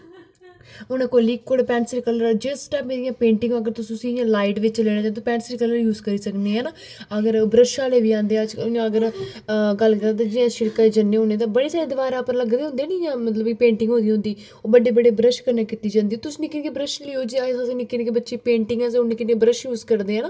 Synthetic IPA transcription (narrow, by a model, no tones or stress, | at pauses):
ʊñẽːkoliːkːoːɽpɛːnsəɾkəlːəɾd͡ʒeːsʈaːpẽːd̪ijãːpẽːɳʈɪ̃ŋɡəɡəɾt̪ʊsĩːʊsĩːɪjãːlaːɪʈʋɪt͡ʃleːɽ̃aːd͡ʒãːt̪oːpɛːnsəɾkəlːəɾjuːzkəɾiːsəkneːɦɛːnaː | əɡəɾbɾəʃaːleːʋiːãːnd̪eːad͡ʒjãəɡəɾ | ɡəlːkəɾaːt̪ãːd͡ʒɪãːʃɪɽkaːd͡ʒənːeːʊːnẽːt̪̬ãːbəɽeːsaːɾeːd̪ɪʋaːɾaːpəɾləɡd̪eːʊ̃nd̪eːnijãːmət̪ləbpẽːɳʈɪ̃ŋɡɦõːnd̪ĩj̃ɦʊ̃nd̪iː | oːbəɖeːbəɖeːbɾəʃkəɾnaːkɪt̪iːd͡ʒãːnd̪iːt̪ʊsĩːnɪkenkebɾəʃlioːd͡ʒiasãsnikːenkebətːʃeːpẽːɳʈɪŋɡɛ̃ːsʊnːeːkɪnːebɾəʃjuːzkəɾd̪eːɦɛ̃ːnaː